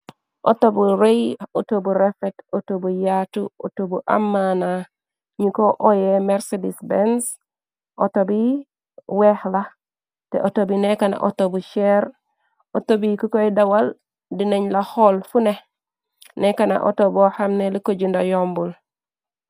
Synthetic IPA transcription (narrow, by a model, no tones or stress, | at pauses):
ʔo̰tobuɾejotobuɾefetotobujatuotobuʔa̰mːana | ɲikoʔojemeɾsedisbens | ʔotobi | wehla | tḛʔotobinekana̰ʔo̰tobuʃeɾ | otobikukojdawal | dineɲlaholfune | nekana̰ʔo̰tobohamnelikoɟundajombul